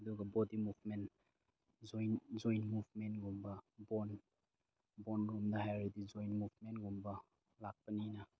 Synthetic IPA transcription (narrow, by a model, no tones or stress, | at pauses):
ɐduɡɐbodimuvmen | zojnd͡ʒojnmubmentɡumbɐbon | bɔnɾumdɐɦajɾidid͡ʒojnmubmenɡumbɐ | lak̚pɐninɐ